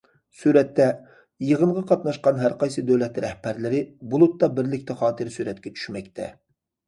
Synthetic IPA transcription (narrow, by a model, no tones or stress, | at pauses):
suɾɛt̪ːɛ | jəʁənʁɑqʰɑt̪nɑʃqɑnɦæɾqɑjsɨd̪øwlɛt̪ɾɛhbæɾlɪɾɪbulˠut̪ːɑbɪɾlɪkʲt̪ʰɛχɑːt̪ʰɨɾsyɾɛt̪kʲʰɛt͡ʃʰy̥ʃmɛkʲt̪ʰɛ̰